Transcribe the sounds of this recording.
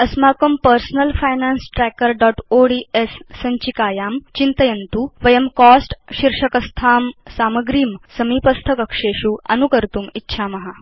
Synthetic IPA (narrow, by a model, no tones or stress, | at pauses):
ɐsmakəmpəɾsnəlfajnansʈɾɛkəɾɖɔːʈoɽiesːəɲt͡ɕikaːjaːmt͡ɕint̪əjənt̪uʋəjəmkɔsʈɕiɾʂəkɐst̪ʰaːmsaːməɡɾiːmsəmipɐst̪ʰəkɐkʂeɕuːɐ̰nukəɾt̪uːmitːɕʰamɐɦa